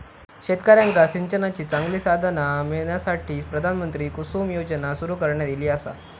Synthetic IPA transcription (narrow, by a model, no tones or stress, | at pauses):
ɕet̪kəɾjãŋkasiɲt͡ɕənat͡ɕiːt͡saŋɡliːsad̪ʱənameɭɳjasaʈʰiːpɾəd̪ʱanmənt̪ɾiːkusuːmjod͡ʑənasuɾuːkəɾɳjad̪iliːasa̰